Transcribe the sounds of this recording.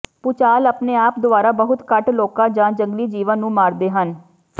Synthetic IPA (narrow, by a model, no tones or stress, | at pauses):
pʊt͡ʃaːləpneːaːp̚d̪ʊaːɾaːbəɦʊt̪kəʈloːkãːd͡ʒãːd͡ʒəŋɡliːd͡ʒiːʋənːũːmaːɾd̪eːɦən